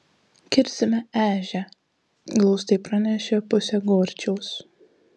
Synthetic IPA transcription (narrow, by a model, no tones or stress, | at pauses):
kʲɪɾʲsʲɪmʲɛæːʒʲɛ | ɡlˠɒʊst̪ɐɪpɾɐnʲɛʃʲɛpʊsʲɛɡoːɾʲt͡ʃʲɛʊs